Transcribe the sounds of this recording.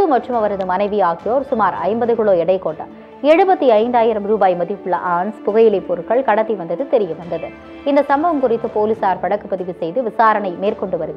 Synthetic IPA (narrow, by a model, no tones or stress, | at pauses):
ɯmɐʈrɯmɐʋɐɾɐðɯmɐnɐɪʋiaːɣɪjoːɾsʊmaːɾɐ̰ɪmbɐðɯkɪɭoːɛɽɐɪkoːɳːɐ̰ | ɛɻɯbɐt̪ːiɐɪnd̪aːjɪɾɐmɾuːbaːjmɐðɪpːɯɭːɐ̰ʔaːnspʊɣɐjɪlɪpːoːɾɯkːɐɭkɐɽɐt̪ːiʋɐnd̪ɐðɯt̪ɛɾɪjɐʋɐnd̪ɐðɯ | ɪnd̪ɐsɐmbɐʋɐmkʊrɪt̪ːɯpoːlɪsaːɾpɐɽɐkːɯpːɐðɪʋɯsɛjðɯʋɪsaːɾɐɳɐɪmeːrkɔɳɖɯʋɐɾɯʋi